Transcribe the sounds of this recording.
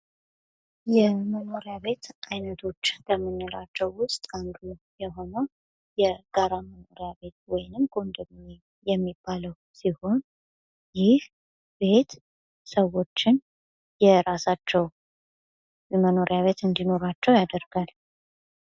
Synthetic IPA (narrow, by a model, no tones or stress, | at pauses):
jɛməno̞ɾjaβe̞t̪ʔajnət̪ʰo̞t͡ʃːbəmːɨnːɨlat͡ʃːɛwːʊst̪ʼand̪u | jɛɦo̞nəw | jɛɡ̥aɾaməno̞ɾjaβe̞t̪̚wɔjnɨmɡ̥o̞nd̪ɨmɲe | jɛmːibːaləw | siho̞n | jɪh | be̞t̪ | səwo̞t͡ʃːɪn | jɛɾasat͡ʃːɛw | məno̞ɾjaβe̞t̪ɨnd̪ino̞ɾat͡ʃːɛwjad̪əɾɡ̥al